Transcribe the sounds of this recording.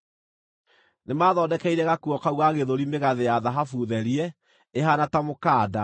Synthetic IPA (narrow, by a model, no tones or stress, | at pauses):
nemaːðɔːdɛkɛiɾɛɣakuɔkauwaɣeðoɾimeɣaðejaðaɦafuðɛɾiɛ | eɦanatamokaːda